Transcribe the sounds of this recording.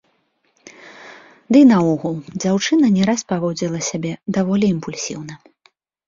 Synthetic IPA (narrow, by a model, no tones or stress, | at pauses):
d̪ɨnɐɔɣulˠd͡zʲawt͡ʂɨnɐnʲɛɾaspavɔd͡zʲilˠɐsʲabʲɛd̪avɔlʲiːmpulʲsʲḭwnɐ